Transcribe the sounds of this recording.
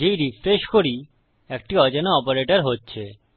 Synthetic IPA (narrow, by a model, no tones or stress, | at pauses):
ejɾifɾeʃkoɾi | ek̚ʈiɔd͡ʑenoɔpoɾeʈaɾɦotːɕʰe